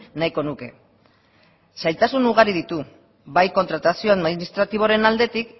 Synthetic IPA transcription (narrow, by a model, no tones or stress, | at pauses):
najko̞nuke̞̰ | sajt̪asunuɣ̞aɾið̞it̪u | βajko̞nt̪ɾat̪asio̞aðminist̪ɾat̪iβ̞o̞ɾe̞nald̪e̞t̪ik